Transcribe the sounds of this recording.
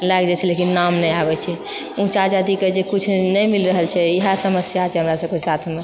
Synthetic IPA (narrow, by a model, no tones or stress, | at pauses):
lakd͡ʒɛt͡ʃʰɛlekinːamnɛjabɛt͡ʃʰɛ | ũt͡ʃad͡ʒad̪iked͡ʒekut͡ʃʰnɛjmilɾəɦəlt͡ʃʰɛiɦasəməsjat͡ʃʰɛɦəmɾasəb̚kesat̪ʰme